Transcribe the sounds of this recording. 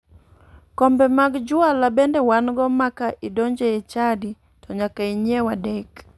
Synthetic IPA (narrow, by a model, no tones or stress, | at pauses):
kɔmbɛmaɡd͡ʒualabɛndɛwanɡɔmakaʔidɔɲd͡ʒɛɛt͡ʃadi | tʰɔɲakaiɲɛwadɛk